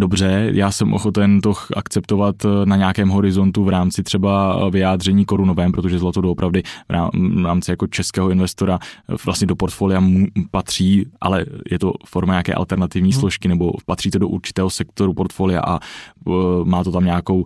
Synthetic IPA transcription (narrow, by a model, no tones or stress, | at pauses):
dobr̝ɛjʔaːsɛmʔoxo̞t̪ɛnt̪o̞ʔa̰kt͡sɛp̚t̪o̞vat̪naɲaːkɛːmɦo̞ɾɪzo̞nt̪uvɾaːmt͡sɪt̪r̥ɛbavɪjaːd̪r̝ɛɲiːko̞ɾunovɛːmpɾo̞t̪oʒɛzlat̪odoopɾʔavdɪvɾa̰ɾaːmt͡sɪjakot͡ʃɛskɛːɦoɪnvɛst̪o̞ɾavlast̪ɲɛdo̞po̞ɾt̪foːlɪjamupat̪r̝̥iːʔa̰lɛjʔɛt̪o̞̰foɾmaɲaːkɛ̰ːʔa̰lt̪ɛɾnat̪ɪvɲiːslo̞ʃkɪnɛbo̞pat̪r̝̥iːt̪odoʔṵɾt͡ʃɪ̥ɛːɦo̞sɛkt̪o̞ɾupo̞ɾt̪foːlɪja̰ʔa̰ | maːt̪o̞t̪amɲaːko̞w